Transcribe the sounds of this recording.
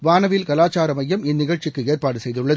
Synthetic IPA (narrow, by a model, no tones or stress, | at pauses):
ʋaːnɐʋɪlkɐlaːt͡ʃaːɾɐmɐjːɐmɪnːɪɣɐɻt͡ʃɪkːɯeːrpaːɽɯsɛjðɯɭːɐð